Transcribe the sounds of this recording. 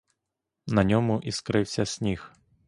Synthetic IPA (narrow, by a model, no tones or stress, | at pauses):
nɐnʲɔmʊʔiskɾɪwsʲɐsʲnʲix